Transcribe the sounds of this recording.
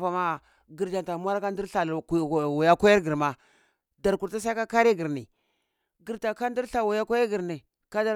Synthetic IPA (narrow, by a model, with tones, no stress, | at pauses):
fa˨ma˦ | ɡi˨ɾd͡ʒa˨nta˨mʷ˦a˦ɾa˦ka˦n˦di˦ɾɬa˨lwa˨ja˦ko˦ja˦ɾɡi˨ɾma˨ | da˨ɾku˨ɾta˦s̬a˦i˦ka˦ka˦ɾi˦ɡi˨ɾnḭ˨ | ɡi˨ɾta˨ka˦ndi˦ɾɬa˨wa˨ja˦kʷa˦ja˦ɡi˨ɾni˨ | ka˦da˨